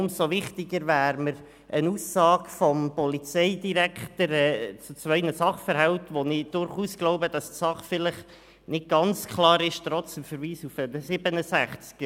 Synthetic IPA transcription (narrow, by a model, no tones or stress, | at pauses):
ʊmsoʋɪχt̪ɪɡəɾvæːɾməɾ | ʔənuːsɑːɡfɔmpɔlit͡sɛɪdiɾækχtəɾɛːt͡sut͡sʋœʏnəsɑχfəɾhɛltʋonɪd̥ʊɾχuːsɡ̥lɔʊbəd̥ɑstsɑχfɪləχ | nɪt̚ɡ̥ɑnt͡skʰlɑːɾɪʃtɾɔt͡smfəɾviːsufədəsɪb̥ənəsæχt͡sk